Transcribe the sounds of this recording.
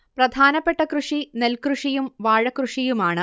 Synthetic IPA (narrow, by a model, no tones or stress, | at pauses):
prɐd̪ʱaːnɐpːe̞ʈːɐkruʂine̞lkruʂijumʋaːɻɐkruʂijumaːɳɨ